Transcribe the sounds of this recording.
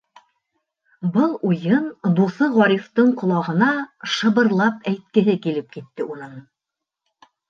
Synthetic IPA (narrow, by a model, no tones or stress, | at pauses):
bɤlˠujɤnd̪uθɤʁɑɾʲift̪ɤɴqŏlˠɑʁɤ̆nɑʃɤ̆βɤ̆ɾlˠɑp̚æjt̪̚kɘ̆ɦɘkilɘp̚kit̪ːɘʔunɤɴ